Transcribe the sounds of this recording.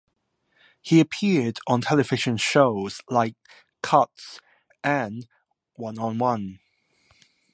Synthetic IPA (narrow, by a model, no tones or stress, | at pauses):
hiəpʰɪədn̩tʰɛlɪvɪʒə̃nʃoʊz̥laɪkʰː | ʌts | ʔə̃n | wʌ̃nə̃nwʌ̃n